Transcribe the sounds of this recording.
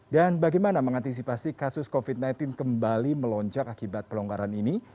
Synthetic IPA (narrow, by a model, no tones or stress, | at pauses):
danbaɡajmanaməŋant̪is̬ipasikasʊskofit̪̚najnt̪ɪnkəmbaliməlɔɲd͡ʒak̚akibat̪̚pəlɔŋɡaɾanini